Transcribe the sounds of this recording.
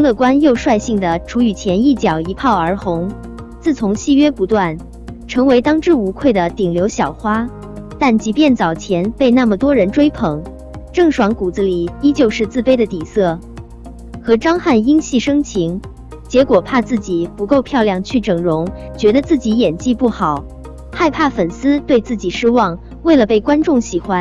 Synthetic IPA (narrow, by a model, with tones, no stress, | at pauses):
lɤ˥˩kwa˥njo˥˧ʊʂwa˥˧ɪɕi˥˩ŋd̪ə˩ʈ͡ʂʰu˧˥y˨˩t͡ɕʰjɛ˧˥ni˥˩t͡ɕjɑ˨˩ʊi˧˥pʰɑ˥˩ʊə˞˧˥xʊ˧˥ŋ | t͡sɹ̩˥˩t͡sʰʊ˧˥ŋɕi˥˧ɥɛ˥pu˧˥t̪wa˥˩n | ʈ͡ʂʰɤ˧˥ŋwe˧˥ɪt̪ɑ˥ŋʈ͡ʂɻ̩˥˩u˧˥kʰwe˥˩ɪd̪ə˩t̪i˨˩ŋljo˧˥ʊɕjɑ˨˩ʊxwa˥ | t̪a˥˩nt͡ɕi˧˥pjɛ˥˩nt͡sɑ˨˩ʊt͡ɕʰjɛ˧˥npe˥˧ɪna˥˩mə˨˩t̪wɔ˥ɻə˧˥nʈ͡ʂwe˥ɪpʰɤ˧˥˦ŋ | ʈ͡ʂɤ˥˩ŋʂwɑ˧˥ŋku˨˩d͡z̩˧˥li˨˩i˥t͡ɕjo˥˧ʊʂɻ̩˥˧t͡sɹ̩˥˩pe˥ɪd̪ə˨t̪i˨˩sɤ˥˩ | xɤ˧˥ʈ͡ʂɑ˥ŋxa˥˩ni˥ŋɕi˥˩ʂɤ˥ŋt͡ɕʰi˧˥ŋ | t͡ɕjɛ˧˥kwɔ˨˩pʰa˥˧t͡sɹ̩˥˩t͡ɕi˨˩˦pu˧˥ko˥˧ʊpʰjɑ˥˧ʊljɑ˥˩ŋt͡ɕʰy˥˩ʈ͡ʂɤ˨˩ŋɻʊ˧˥ŋt͡ɕɥɛ˧˥d̪ə˧t͡sɹ̩˥˩t͡ɕi˧˥jɛ˨˩nt͡ɕi˥˧pu˥˩xɑ˨˩˦ʊ | xa˥˧ɪpʰa˥˩fə˨˩nsɹ̩˥t̪we˥˧ɪt͡sɹ̩˥˩t͡ɕi˨˩ʂɻ̩˥wɑ˥˧ŋ | we˥˩ɪlə˩pe˥˩ɪkwa˥nʈ͡ʂʊ˥˩ŋɕi˨˩xwa˧˥n